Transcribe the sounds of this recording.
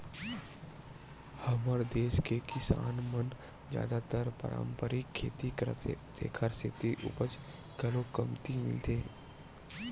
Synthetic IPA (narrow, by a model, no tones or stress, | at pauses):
hɐməɾd̪eːʃkekɪsa̰ːnmən | d͡ʒja̰ːd̪at̪əɾpə̰ɾa̰ːmpəɾikʰːḛːt̪it̪ḛːkʰəɾset̪iʔʊ̰pət͡ʃ | kɐlokəmt̪imɪ̰lt̪eː